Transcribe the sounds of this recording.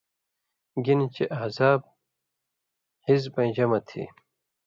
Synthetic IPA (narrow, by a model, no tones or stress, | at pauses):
ɡint͡ɕeʔaːzaːb̚ | hizbɐ̃j̃d͡ʑɐmɐt̪ʰḭ